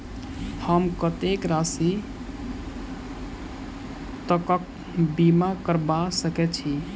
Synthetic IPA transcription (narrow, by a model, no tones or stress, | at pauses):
həmkət̪ekɾasi | t̪əkək̚ | bimakəɾbasəkɛt̪t͡ʃʰi